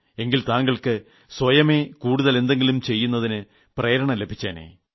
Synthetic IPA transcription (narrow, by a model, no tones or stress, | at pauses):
e̞ŋɡilt̪aːŋɡɐɭkɨ | swɐjɐme̞ːkuːɽuðɐle̞nd̪e̞ŋɡilumt͡ɕe̞jːunːɐðinɨ | preːɾɐɳɐmlebʱit͡ɕːaːnḛː